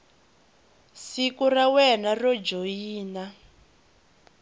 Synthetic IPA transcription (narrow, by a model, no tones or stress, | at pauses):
sikurawɛnarɔd͡ʒojiːna